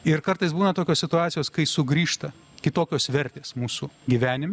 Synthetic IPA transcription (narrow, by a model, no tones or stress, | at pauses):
ɪɾkɐɾt̪ɐɪsbuːnɐt̪oːkʲoːssʲɪt̪ʊɑːt̪sʲjoːskɐɪsʊɡɾʲiːʃt̪ɐ | kʲɪt̪oːkʲoːsʋʲɛɾʲt̪ʲeːsmuːsuɡʲiʋʲæːnʲɪmʲ